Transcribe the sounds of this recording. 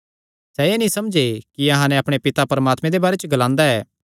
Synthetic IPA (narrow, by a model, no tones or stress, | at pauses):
sɛeːnĩsɐmd͡ʒekiɐɦãnɛ̃ɐpɽ̃epɪt̪apɐɾəmaːt̪mẽd̪ebaːɾet͡ʃəɡɐlãːnd̪aɛː